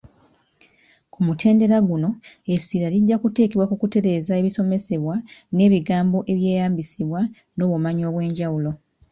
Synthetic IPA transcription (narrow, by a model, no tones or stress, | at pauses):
kumutʰe̞ːnde̞ɾaɡuno̞ | esiɾaliɟːakute̞ːkeβwakukute̞ɾe̞ːzae̞βiso̞me̞se̞βwane̞ːβiɡaːmbo̞ʔe̞βje̞ːjaːmbisiβwa | no̞ːβomaɲo̞ːβwe̞ːɲɟawulo̞